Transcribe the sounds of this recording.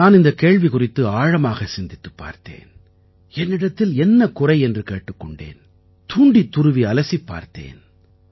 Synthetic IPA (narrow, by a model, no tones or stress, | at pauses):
naːnɪnd̪ɐkeːɻʋikʊrɪt̪ːɯaːɻɐmaːɣɐsɪnd̪ɪt̪ːɯ̥pːa̰ːɾt̪ḛːn | ɛnːɪɽɐt̪ːɪlɛnːɐkʊrɐɪɛndrɯkeːʈːɯkːɔɳɖḛːn | t̪uːɳɖit̪ːʊɾɯʋiɐlɐsipːa̰ːɾt̪ḛːn